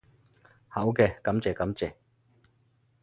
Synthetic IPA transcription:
hɐ˨˥wkɛː˧kɐ˨˥mt͡sɛː˨˩kɐ˨˥mt͡sɛː˨

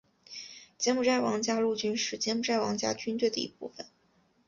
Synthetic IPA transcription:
t͡ɕjɛ˥nmu˥˧ʈ͡ʂa˥˩ɪwɑ˧˥ŋt͡ɕja˥lu˥˧t͡ɕy˥nʂɻ̩˥˩t͡ɕjɛ˥nmu˥˩ʈ͡ʂa˥˩ɪwɑ˧˥ŋt͡ɕja̰˥t͡ɕy˥nt̪̬we˥˩ɪd̪ə˩ḭ˧˥pu˥˩fə˩n

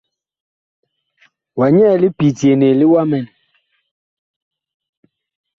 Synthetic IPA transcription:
wa˨ɲɛ˦˨li˦pi˨tje˨ne˨li˦wa˦mɛ˨n

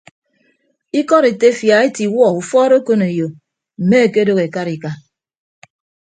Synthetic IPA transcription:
i˦kɔ˦ɾe˨te˦fja˨e˦ti˨wɔ˦˨u˨fɔː˦ɾo˦ko˦ne˨jo˨ | m̩˨me˦e˨ke˦do˦ɣe˨ka˦ɾi˨ka˦

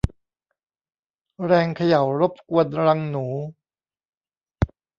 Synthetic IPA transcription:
ɾɛː˧ŋkʰa˧ja˨˩˦wɾo˦˥p̚ku˧ənɾa˧ŋnuː˩˦

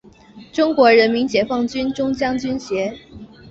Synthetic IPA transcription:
ʈ͡ʂʊ˥ŋkwɔ˧˥ɻə˧˥nmi˧˥ŋt͡ɕjɛ˧˥fɑ˥˩ŋt͡ɕy˥nʈ͡ʂʊ˥ŋt͡ɕjɑ˥ŋt͡ɕy˥nɕjɛ˧˥

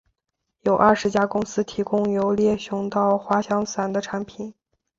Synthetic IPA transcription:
jo˨˩ʊʔɐ˥˩ʂɻ̩˧˥t͡ɕja˥kʊ˥ŋsɹ̩˥t̪ʰi˧˥kʊ˥ŋjo˧˥ʊljɛ˥˩ɕjʊ˧˥ŋt̪ɑ˥˩ʊxwa˧˥ɕjɑ˥ŋsa˨˩nd̪ə˦ʈ͡ʂʰa˧˥npʰi˨˩˦n

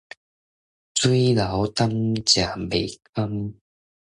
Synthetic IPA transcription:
t͡su˦la˨˦wt̪a˦˥mt͡ɕja˨˩be˨˩k̚ə˦˥m

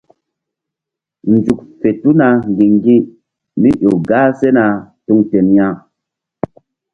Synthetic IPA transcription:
n̩˨d͡ʒu˨k̚fe˨tu˦na˨ŋ˨ɡi˨ŋ˦ɡi˦ | mi˦ʔo˨ɡa˦se˦na˨tu˧ŋte˨nja˦˨

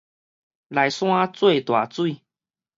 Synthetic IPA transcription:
la˨jsw̃ã˦t͡swe˥˧˨t̪wa̰˨˩t͡swi˥˧˨

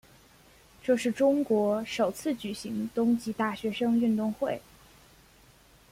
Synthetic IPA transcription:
ʈ͡ʂɤ˥˧ʂɻ̩˥˩ʈ͡ʂʊ˥ŋkwɔ˧˥ʂo˨˩ʊt͡sʰɹ̩˥˩t͡ɕy˨˩ɕi˧˥ŋt̪ʊ˥ŋt͡ɕi˧˥t̪a˥˩ɕɥɛ˧˥ʂɤ˥ŋy˥˧nt̪ʊ˥˧ŋxwe˥˩ɪ

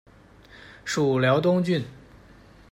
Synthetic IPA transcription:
ʂu˨˩ljɑ˧˥ʊt̪̬ʊ˥ŋt͡ɕy˥˩n

